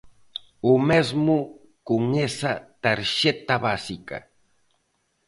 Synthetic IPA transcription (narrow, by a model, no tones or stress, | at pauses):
umezmʊ | kʊŋesat̪aɾʃet̪aβasika̰